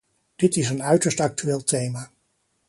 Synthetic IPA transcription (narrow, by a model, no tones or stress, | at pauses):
d̥ɪtɪsənœɥtəɹstɑk̚tyʋeːlˠtejmaː